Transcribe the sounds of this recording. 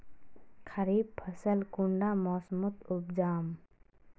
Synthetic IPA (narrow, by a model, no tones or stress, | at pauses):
kʰəɾiːb̚pʰəsəlkʊɳɖaːmɔːsmʊt̪ʊbd͡ʒaːm